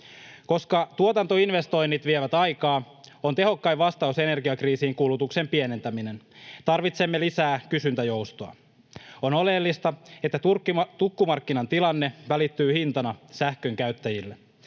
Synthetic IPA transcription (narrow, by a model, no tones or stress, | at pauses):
ko̞skɑt̪uot̪ɑnt̪oinʋe̞st̪o̞jnːit̪ʋieʋæt̪ɑjkɑː | o̞nt̪e̞ɦo̞kːɑjʋɑst̪ɑuse̞ne̞rɡiɑkriːsiːŋkulut̪ukse̞mpiene̞nt̪æmine̞n | t̪ɑrʋit̪se̞mːelisæːkysynt̪æjo̞wst̪oɑ̰ | o̞no̞le̞lːist̪ɑet̪ːæt̪urkːt̪ukːumɑrkːinɑnt̪ilɑnːe̞ʋælit̪ːyːhint̪ɑnɑsæhkø̞ŋkæɥt̪ːæjilːe